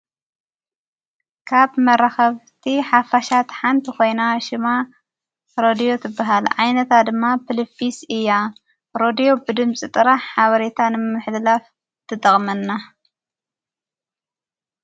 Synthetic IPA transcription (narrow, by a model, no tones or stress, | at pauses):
kʰaβmɐɾaxɐβt̪ʰiħafaʃat̪ħant̪ʰiko̞jnaʃɪma | ɾod̪ijo̞t̪ʰɨbːaɦalʕajnɐt̪ʰad̪ɨmːapʰɨlɨfisɨjːa | ɾo̞d̪ijo̞bɨd̪ɨmt͡sʼit̪ʼɨɾaħħaβɐɾet̪ʰanɨmɨħd̪laf | t̪ʰɨt̪ʼɐχʼmɐnːa